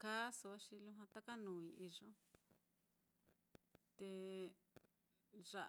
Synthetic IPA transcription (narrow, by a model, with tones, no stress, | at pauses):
ka˦su˧βa˦ʃi˧lũ˦ɦã˧t̪a˦ka˦nũː˨ĩ˧i˧ʐõ˦ | t̪e˧ | ʐa˧